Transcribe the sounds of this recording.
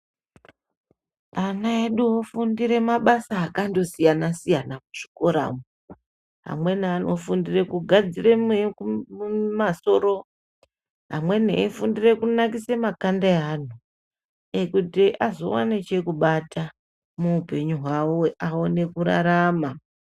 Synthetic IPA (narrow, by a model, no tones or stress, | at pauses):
anaeɗuofundiɾe̞maɓasaːkando̞sijanasijanamuʐ̥iko̞ɾa̰ːmu | ɦa̰mwe̞neanʔo̞fundire̞kuɡʱad͡zire̞me | maso̞ɾo̞ | ɦa̰mwe̞nḛifundire̞kunak̬ise̞makandaeɦan̤u | e̞kutiʔazo̞̰wa̰net͡ʃe̞kuɓatʰa | muupe̞ɲuɦwaaone̞kuɾa̰ɾama